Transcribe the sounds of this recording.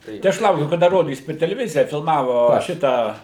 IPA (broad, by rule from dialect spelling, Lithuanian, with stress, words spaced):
tɐɪ ˈɐʃ ˈlˠɐʊkʲʊ kɐˈdɐ ˈroːdʲiːs pʲɛr tʲɛlʲɛˈʋʲɪzʲɪjɛ fʲɪlˠmɐʋoː ˈʃʲɪtɑː